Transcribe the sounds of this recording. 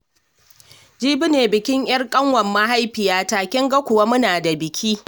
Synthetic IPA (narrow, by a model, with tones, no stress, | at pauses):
d͡ʒiː˦bɪ˦neː˨bɪ˨kʲɪ˦ŋj̰ɐ˦rkʼɐ˦ŋwɐ˨mːa˦ɦa˦jɸɪ˨jaː˦taː˨kʲɪ˦ŋɡa˦kʷʊ˨wa˦mʊ˦naː˨da˨bɪ˨kʲʰiː˦